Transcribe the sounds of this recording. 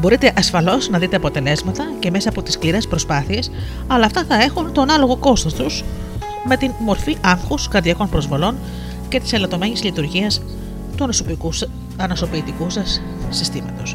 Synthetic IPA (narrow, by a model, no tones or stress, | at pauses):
bo̞ɾit̪e̞ʔɐsfɐlo̞znɐðit̪e̞ɐpo̞t̪e̞le̞zmɐt̪ɐce̞me̞sɐːpo̞t̪i̥skliɾe̞spɾo̞spɐθie̞s | ɐlɐːft̪ɐθɐe̞xunt̪o̞nɐlo̞ɣo̞ko̞st̪ost̪uz | me̞t̪inmo̞ɾfiʔɐŋxuskɐɾðiɐko̞npɾo̞zvo̞lo̞n | ce̞t̪i̥selɐt̪o̞me̞ɲizlit̪uɾʝiɐs | t̪u | ɐnoso̞piːt̪ikusɐsː | ist̪imɐ̰t̪o̞s